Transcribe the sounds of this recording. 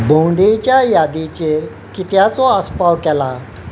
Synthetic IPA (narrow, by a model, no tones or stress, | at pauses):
bʱõwɳɖet͡ɕjajad̪it͡ɕeɾ | kit̪jat͡sɔəspawkɛla